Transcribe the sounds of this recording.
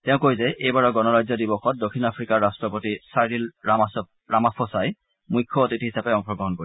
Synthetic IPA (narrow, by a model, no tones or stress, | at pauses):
tɛʊ̃kojzɛʔejbaɹɔɡɔnɔɹajzɔdibɔxɔt̚dokʰinapʰɹikaɹastɹɔpotisaɹils | ɹamapʰɔsaj | mujkʰːɔotithisapɛɔŋpʰɔɡɔɦɔnkoi